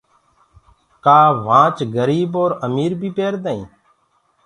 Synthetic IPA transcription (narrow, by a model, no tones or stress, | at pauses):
kaːʋãːt͡ʃɡəɾiːboːɾəmiːɾbʱiːpeːɾd̪əːḭ̃ː